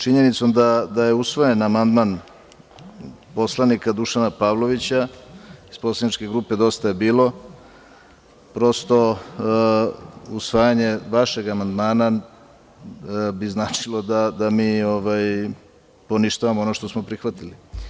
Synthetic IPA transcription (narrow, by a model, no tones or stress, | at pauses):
t͡ʃiɲe̞nit̪so̞md̪ad̪aje̞usʋojenamand̪man | po̞slˠanikad̪uʃanapaʋlˠo̞ʋit͡ɕaisposlˠanit͡ʃke̞ɡɾuːpe̞d̪o̞st̪ajebiːlˠo̞ | pɾo̞st̪o̞ | usʋaːjaɲeʋaʃe̞ɡamand̪maːna | biznaːt͡ʃilˠo̞d̪ad̪amiːoʋaj | po̞niʃt̪aʋamoonoʃt̪o̞smo̞pɾixʋat̪ili